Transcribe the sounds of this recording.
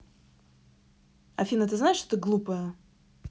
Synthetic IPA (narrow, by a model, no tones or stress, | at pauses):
ɐfʲinət̪ɨznaɪʂt̪ot̪əɡlˠupəjə